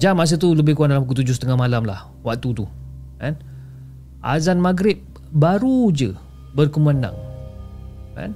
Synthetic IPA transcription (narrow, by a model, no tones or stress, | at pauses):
d͡ʒamas̬ət̪uləbɪhkuwat̚dalampukut̪ud͡ʒʊsət̪əŋahmalamlah | wak̚t̪ut̪u | kɛn | ʔa̰zanmaɡɾɪp̚ | baɾud͡ʒə | bərkəmana̰ŋ | ka̰n